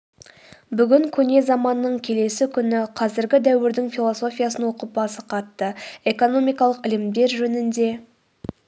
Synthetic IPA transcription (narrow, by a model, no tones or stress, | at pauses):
bʏɡʲɪŋkʲʰɵne̞zɑmɑnːəɴkʲʰe̞le̞sɪkʲʰʏnɪqʰɑzɪɾɡʲɪd̪æwɪɾd̪ɪŋfilˠo̞so̞fʲijasənwoqəp̚bɑsəqʰɑt̪ːəe̞ko̞no̞mijkɑlˠəqɪlɪmd̪e̞ɾʒɵnɪnd̪e̞